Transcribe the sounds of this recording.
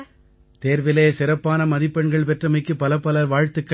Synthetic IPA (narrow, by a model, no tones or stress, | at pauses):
t̪eːɾʋɪleːsɪɾɐpːaːnɐmɐðɪpːɐɳɡɐɭpɛʈrɐmɐɪkːɯpːɐlɐpːɐlɐɾʋaːɻt̪ːɯkːɐ